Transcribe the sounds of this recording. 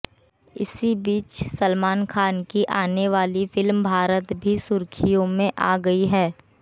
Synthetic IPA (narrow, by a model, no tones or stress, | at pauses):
ɪ̰sibiːt͡ʃsəlmaːnkʰaːnkiʔaːneʋaːlifɪlmbʱaːɾət̪bʱisʊɾkʰijõmẽʔa̰ːɡɐiɦɛː